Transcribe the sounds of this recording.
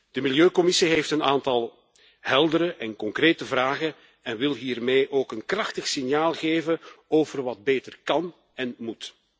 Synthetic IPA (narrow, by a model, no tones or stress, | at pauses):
d̥əmɪljøːkɔmɪsiɦeftənaːntɑlˠ | ɦɛlˠdəɾəʔɛnkɔŋkreːtəvraːɣə | ɛnʋɪlˠɦiːrmeːʔoːkənkrɑxtəxsɪnjaːlˠɣeːvənoːvərʋɑd̚beːtərkɑn | ɛnmut